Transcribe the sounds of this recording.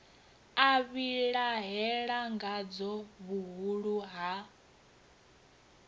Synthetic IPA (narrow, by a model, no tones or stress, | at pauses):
aβiɺaɦɛɺaŋɡad͡zɔβuɦuɺuɦa